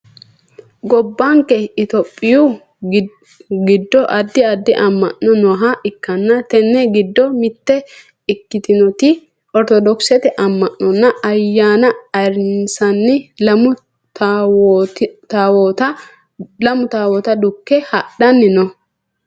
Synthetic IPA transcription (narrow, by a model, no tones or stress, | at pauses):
ɡɔbːɐŋkːɛɪt̪ɔpʼːɪju | ɡɪd̪ːɔʔɐd̪ːɪɐd̪ːɪʔɐmːɐ̰ʔːɔnɔɦaʔɪkːɐnːɐt̪ɛnːɛɡɪd̪ːɔmɪt̪ːɛ | ɪkːɪt̪ɪnɔt̪ɪ | ɔɾt̪ɔd̪ɔksɛt̪ɛʔɐmːɐʔːɔnːɐɐjːaːnɐɐɾɪnsɐnːɪ | t̪awɔt̪ɐ | lɐmʊt̪aːwɔt̪ɐd̪ʊkːɛhɐɗɐnːɪnɔ